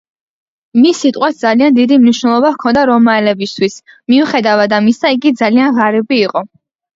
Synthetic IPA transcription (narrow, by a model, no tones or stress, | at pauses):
misːit̪ʼqʼwas̚d̪zaliand̪id̪imniʃnɛlˠɔbafkʰɔnd̪aɾɔmaɛlɛbist̪ʰwis | miuχɛd̪avad̪amisaiɡid̪zalianʁaɾɛbiːqʼɔ